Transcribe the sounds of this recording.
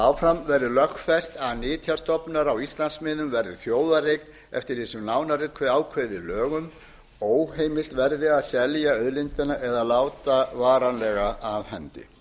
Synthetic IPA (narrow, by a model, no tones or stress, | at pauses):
awfɾamvɛɾðʏlœxfɛst̪aðnɪːt̪ʰjḁst̪ɔpnaɾawist̪lansmɪːðʏmvɛɾðɪθjoːwðarejkn | ɛ̰ft̪ɪɾisʏmnaːwnaɾɪkʰvɛaːwkʰveðɪlœːɣʏm | oːwheːjmɪl̥t̪vɛɾðɪaðsɛljaœðlɪnt̪ɪnaʔɛðalaːwt̪avaːɾanlɛɣaʔavhɛnt̪ɪ̰